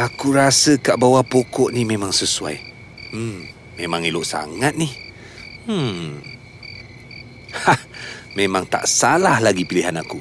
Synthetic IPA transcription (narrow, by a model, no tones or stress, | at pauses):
akuɾasəkaʔbawapokɔʔnimemaŋsəsua̰j | m̩ | memaŋiloʔsa̰ŋat̪̚nih̩ | hahmemaŋt̪a̰ʔsalahlaɡipiliɦanaku